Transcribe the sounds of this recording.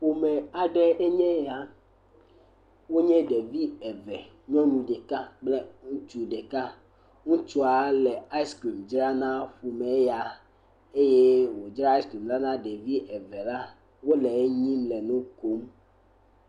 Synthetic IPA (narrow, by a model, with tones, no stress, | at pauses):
ɸu˨mɛ̃˨a˨ɖɛ˦ʔe˦ɲɛ̃˦ja˨ | wo˦ɲɛ̃˦ɖe˨vi˦ɛ˨vɛ˨ | ɲɔ̃˦ɲũ˨ɖɛ˨ka˦ɡ͡blɛ˦ŋũ˦t͡ʃu˦ɖɛ˨ka˦ | ŋũ˦t͡ʃu˦a˨lɛ˨a˦i˦skɾi˨md͡ʒɾa˦nã˦ɸu˨mɛ̃˨˦ja˨ | e˦je˦wo˨d͡ʒɾa˦i˦skɾi˨mla˦nã˦ɖe˨vi˦ʔɛ˨vɛ˨la˦ | wo˦lɛ˨e˦ɲĩ˦mlɛ˨nũ˦ko˦m